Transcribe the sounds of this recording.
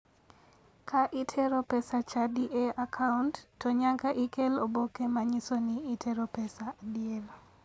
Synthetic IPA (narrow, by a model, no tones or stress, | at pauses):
kʰaʔɪtʰɛɾopɛsat͡ʃadiʔeakʰauntːɔɲaŋɡaʔɪkelobokemaɲisoniːtʰeɾopɛsadɪel